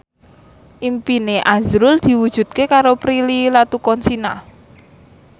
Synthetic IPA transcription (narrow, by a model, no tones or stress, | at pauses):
ʔimpineʔazɾʊld̪̥i̤wud̥ʒ̥ṳt̪̚kekaɾopɾililat̪ukɔnsina